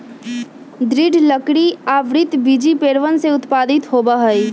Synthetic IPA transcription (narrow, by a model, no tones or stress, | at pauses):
d̪ɾɪɖʱləkɽiaːʋɾɪt̪bid͡ʒipeːɾʋənseʊt̪paːd̪ɪt̪ɦoːbaɦəi